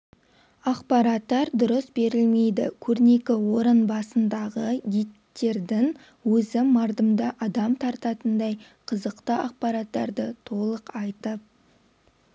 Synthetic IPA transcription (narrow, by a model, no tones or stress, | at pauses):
ɑqpɑɾɑt̪ːɑɾd̪ʊɾəsbe̞ɾɪlme̞jd̪ɪ̰kʲʰɵɾne̞kʲɪwo̞ɾənbɑsənd̪ɑʁəɡʲit̪ːe̞ɾd̪ɪŋ | wɵzɪmɑɾd̪əmd̪əʔɑd̪ɑmt̪ʰɑɾt̪ɑt̪ənd̪ɑjqʰəzəqt̪əɑq̚pɑɾɑt̪ːɑ̰ɾd̪ət̪ʰo̞lˠəqɑjt̪əp̚